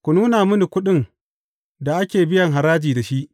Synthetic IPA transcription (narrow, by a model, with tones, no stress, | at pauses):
kʷu˨nuː˦naː˨mʊ˦ni˨kʷʊ˦ɗɪ˦ŋ | da˨ʔa˦kʲeː˨bɪ˦jɐ˨ŋɦa˨ɾaː˦d͡ʒiː˨da˨ʃi˦ʔ